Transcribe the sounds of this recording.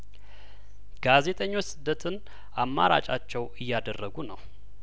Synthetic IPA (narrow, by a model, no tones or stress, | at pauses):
ɡ̥aze̞t̪ʼəɲːo̞t͡ʃːsɨd̪ːət̪ʰɨn | amːa̰ɾa̰t͡ʃʼat͡ʃːɛwɨjːad̪ərːəɡunəw